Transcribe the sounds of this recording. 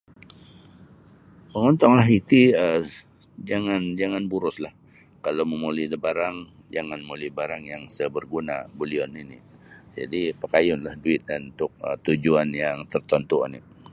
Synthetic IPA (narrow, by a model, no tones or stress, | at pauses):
məŋɔnt̪ɔŋlaɦit̪iə | d͡ʒaŋand͡ʒaŋanbuɾʊslah | kalawməmulidəbaɾaŋ | d͡ʒaŋanmulibaɾaŋjaŋsəbərɡunabuliɔninid͡ʒa̰dipəkajʊnlahduɪt̪̚danunt̪ʊk̚ə̰t̪ud͡ʒuanjaŋt̪ərt̪ɔnt̪ua̰nḭ